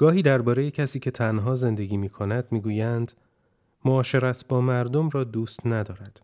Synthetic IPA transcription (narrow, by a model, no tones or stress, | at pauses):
ɡ̥ɒːɦiːd̪æɾbɒːɾeje̞cʰæsiːcʰe̞t̪ʰænɦɒːze̞nd̪e̞ɡiːmiːkʰo̞næd̪̥miːɡuːjænd̪ | moɒːʃe̞ɾæt̪ʰbɒːmæɾd̪o̞mrɒːd̪uːst̪næd̪ɒːɾæd̪̥